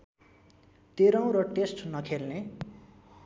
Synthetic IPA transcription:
t̪eɾaw̃ɾʌʈesʈnʌkʰelne

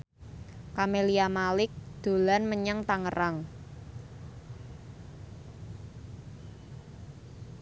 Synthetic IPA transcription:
kameliamalɪk̚d̪̥o̤lanməɲaŋt̪aŋəraŋ

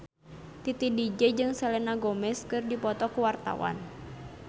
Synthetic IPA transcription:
t̪it̪idid͡ʒɛd͡ʒɨŋsɛlɛnaɡɔmɛskɨrdipɔt̪ɔkuwart̪a̰wʔa̰n

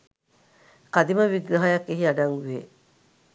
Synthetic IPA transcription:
kɐd̪imɐʋiɡnɐɦɐjɐkːeɦiɐnɐŋɡuʋe

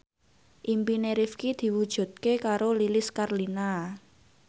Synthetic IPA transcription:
ʔimpineɾifkid̪̥i̤wud̥ʒ̥ṳt̪̚kekaɾolilɪskarlina

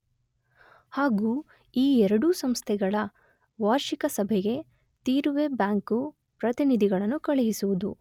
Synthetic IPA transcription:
haːɡuː | iːɛɾɐɽusɐmst̪ʰɛɡɐɭɐ | ʋaːɾʃikɐsɐbʱɛɡe̞ | t̪iːɾuʋe̞bjaːŋku | pɾɐt̪inid̪ʱiɡɐɭɐnːukɐɭeɦisuʋud̪u

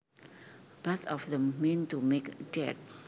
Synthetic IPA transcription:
b̥ɛt̪ɔfðɛ̃mːĩntumekdɛ̰t̚

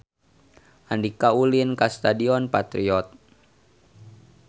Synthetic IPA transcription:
ʔandikaulinkast̪adiɔnpat̪ɾiɔt̪̚

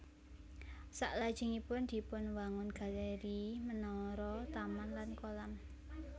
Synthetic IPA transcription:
sa̰ʔlad̥ʒ̥ɪ̤ŋipʊnd̪̥i̤pʊnwaŋʊnɡ̥a̤leɾimənɔɾɔt̪amanlankolam

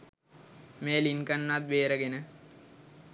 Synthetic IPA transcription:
meːlinkənːat̪̚ʋeːɾəɡenə

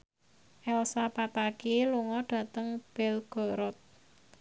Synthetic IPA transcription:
ʔɛlsapapakeluŋɔɖ̥ä̤t̪əŋb̥ɛlɡ̥o̤ɾɔt̪̚

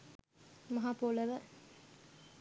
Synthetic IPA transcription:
mɐɦaːpoləʋə

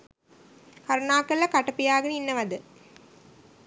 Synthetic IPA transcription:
kɐɾunaːkːɐlːɐkɐʈːɐpːijaːɡɐniːnːɐʋɐd̪ɨ

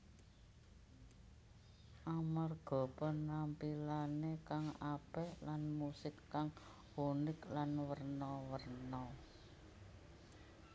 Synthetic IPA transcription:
ʔamarɡ̥ɔ̤pɔnampilanekaŋapɛhlanmusɪkːaŋ | unɪklanwərnɔwərnɔ

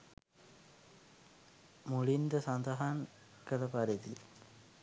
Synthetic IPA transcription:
muɭind̪əsand̪aɦaŋ | kələpaɾet̪i

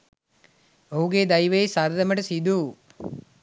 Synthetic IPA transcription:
oɦuɡeːd̪ɐjʋejsɐɾd̪ɐmɐʈɐsid̪uː

